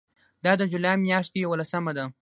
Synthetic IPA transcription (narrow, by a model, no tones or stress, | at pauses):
d̪ɑd̪əd͡ʒulɑjmjɑʃt̪ejawalasəmad̪a